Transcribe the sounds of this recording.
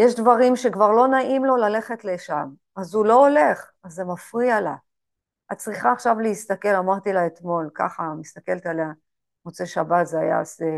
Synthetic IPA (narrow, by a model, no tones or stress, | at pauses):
jeʃdvaʁimʃe̞kvaʁlo̞naʔimlo̞lale̞χe̞tleʃam | azulo̞ole̞χ | azːe̞mafʁiala | at̚t͡sʁiχaːχʃavleist̪ake̞lamaʁt̪ilaet̪mo̞lka̰χamist̪ake̞lt̪alea | ʁot͡se̞ʃabat̪zeaja̰a̰se